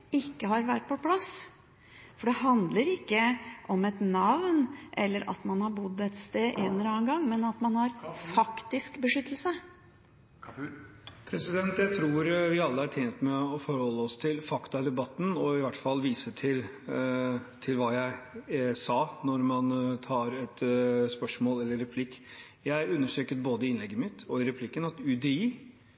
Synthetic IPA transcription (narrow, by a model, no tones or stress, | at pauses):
ɪkːəɦɑɾʋæʈ̚ːpʰɔpʰlɑs | fɔɖɛɦɑnd̪ləɾɪkːəʔɔmɛt̪nɑʋnʔɛ̰lːəɾʔɑ̰t̪mɑnhɑɾbʊd̪ːɛt̪st̪eːʔenɾɑːnɡɑŋːmɛnɑt̪mɑnhɑɾfɑkt̪ɪskbəʂʏt̪ːəlsə | pʰɾɛsɪd̪ɛnt̪jæɪt̪ʰɾuːɾʋɪɑlːəɑʈʰjɛːnt̪mɛɔfɔɾhɔlːəɔst̪ʰɪlfɑkt̪ɑd̪ɛbɑt̪ːn̩ɔɪʋæʈːfɑlːʋiːsəʈʰɪl | t̪ʰɪlʋɑːjæɪsɑːnɔɾmɑnt̪ʰɑːɾɛt̪spœʂmoːlɛlːəɾːɛpʰlɪkː | jæɪʉnːəʂʈɾøːkəɾboːd̪əɪɪnlɛɡːəmɪt̪ɔɪɾɛpʰlɪkːənɑt̪ʉd̪ɛiː